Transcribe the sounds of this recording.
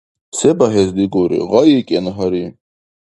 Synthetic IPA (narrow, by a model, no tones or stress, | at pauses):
sɛbaɦɛzd̪iɡɔɾḭʁɑjikʼɛnɦaɾi